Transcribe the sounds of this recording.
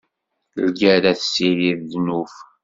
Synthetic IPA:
lɡæɾæθsiɾiððnuf

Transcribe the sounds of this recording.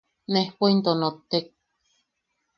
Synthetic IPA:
nehpaint̪onot̪ːek̚

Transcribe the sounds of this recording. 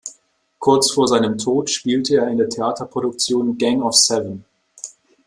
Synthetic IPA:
kʰʊɐt͡sfoːɐzaɪnəmtʰoːtʃpiːltʰəeːɐɪndeːɐtʰeaːtʰɐpʁ̥oɾʊk̚t͡sjoːnɡɛŋɔfsɛvən

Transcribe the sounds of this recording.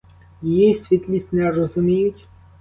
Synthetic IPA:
jijisʲʋʲit̪lʲisʲtʲnɛrɔzʊmʲijʊtʲ

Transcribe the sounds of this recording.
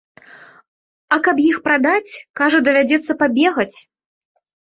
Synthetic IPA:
ɐkɐpjixpɾad̪at͡sʲkaʐɐd̪ɐvʲad͡zʲɛt̪sːɐpabʲɛɣɐt͡sʲ

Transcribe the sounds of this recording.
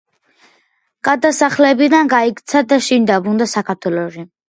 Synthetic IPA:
ɡ̥ad̪asaχlɛbid̪anɡaikt̪sʰad̪aʃind̪abɾund̪asakʰaɾt̪ʰwɛlɔʃi

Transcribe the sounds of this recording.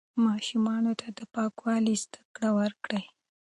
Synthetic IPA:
mɑʃumɑnot̪ad̪əpɑkwɑlizd̪akɽawəɾkɽəj

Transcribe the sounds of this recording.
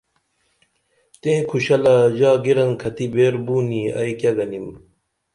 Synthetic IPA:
t̪ẽːkʰuɕɐlɐd͡ʑaːɡiɾɐnkʰɐt̪ibeːɾbuːniɐ̰jkjɐɡɐnim

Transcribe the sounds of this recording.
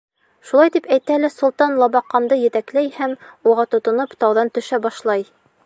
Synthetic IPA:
ʃulˠɑjt̪ipæjt̪ælæsŏlˠt̪ɑnlˠɑbɑqːɑnd̪ɤjɘ̆t̪æklæjhæmuʁɑt̪ŏt̪ŏnɤpt̪ɑwðɑnt̪ɵ̆ʃæbɑʃlˠɑj

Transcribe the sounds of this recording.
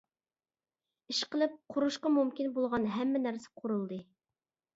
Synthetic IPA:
iʃqəlˠɨp̚qʰʊɾuʃqɑmumkʲinbolˠʁɑnɦɛmːɪnæɾsɛ̥qʰʊɾulˠd̪ɨ

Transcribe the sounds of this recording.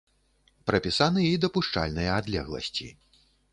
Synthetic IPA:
pɾɐpʲisanɨjajid̪ɐpuʂt͡ʂa̰lʲnɨjɐad̪lʲɛ̰ɣlˠɐ̰sʲt͡sʲḭ

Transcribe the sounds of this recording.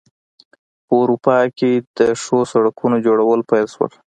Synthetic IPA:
pəuɾupɑked̪əʂosaɽakʰunod͡ʒoɽawəlpajlʃwə̰l

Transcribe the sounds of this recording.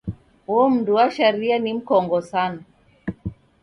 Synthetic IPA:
wɔm̩duwaʃaɾianim̩kɔŋɡɔsana

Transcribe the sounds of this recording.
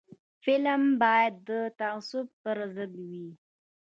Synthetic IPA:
fɪlmbɑjad̪ːət̪aasʊbpəɾazəbwi

